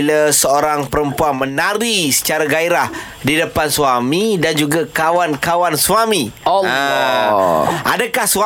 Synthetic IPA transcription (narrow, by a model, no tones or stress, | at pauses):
ilasəoɾaŋpəɾəmpuanmə̃naɾisə̥t͡ʃaɾaɡaiɾah | didəpansuamidand͡ʒuɡakawankawanswamĩa | ʔa̰dakahswa